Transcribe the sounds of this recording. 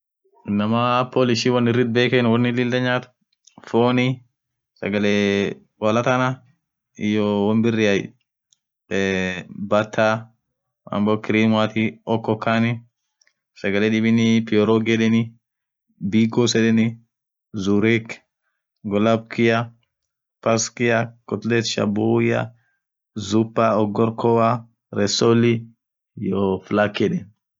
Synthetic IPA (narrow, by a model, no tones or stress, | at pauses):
ɪnːɐmaːpʰːoːlɪʃiːwɐnːɪrːɪd̪̚beːkenwɐnːɪlɪld̪ɐɲːaːt̪ʊ̥ | foːni | sɐɡɐle | wɐlɐt̪ɐna | ɪjɔwɐnbɪrːɪɐj | bɐt̪ːaː | ɐ̰mboːkɪɾiːmwaːt̪iɔkːɔkʰːaːnɪ | sɐɡɐlɛɗɪbɪnɪpɪjɔɾoɡɛɗɛnɪ | biːɡosɛᶑɛnɪ | zuɾek | ɡɔlɐb̚kʰɪja | pɐskɪakʼɔt̪lɛt̪ʃɐ̰buja̰ | zʊpːaɔɡɔɾkʰɔwa | ɾɛsolɪ | joflakːɛᶑɛn